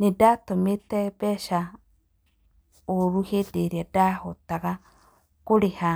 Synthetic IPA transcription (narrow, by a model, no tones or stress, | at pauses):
nedatometɛbɛʃa | oɾuhedeɾiadahotaɣa | koɾeha